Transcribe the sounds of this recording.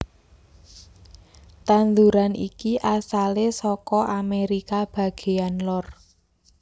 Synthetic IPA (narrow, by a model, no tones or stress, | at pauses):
t̪and̪uɾanḭkiʔasalesɔkɔʔameɾikab̥ä̤ɡ̥e̤anlɔr